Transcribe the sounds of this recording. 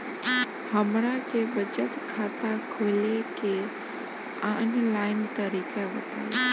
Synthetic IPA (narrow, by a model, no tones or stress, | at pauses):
həmɾãkebət͡ʃət̪kʰaːt̪akʰoːleke | anlaːɪnt̪əɾiːkaʋət̪a̰